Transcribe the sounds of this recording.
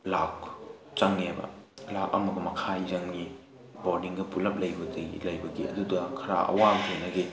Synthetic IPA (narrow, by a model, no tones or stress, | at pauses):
lak | t͡ʃaŋːebɐ̰ | lak̚ɐ̰mɐɡɐmɐkʰajzɐŋni | boɾniŋɡɐpulɐp̚lɐjbɐdɐjlɐjbɐɡiɐ̰dudɐkʰɐɾa̰ʔɐ̰wazenɐɡi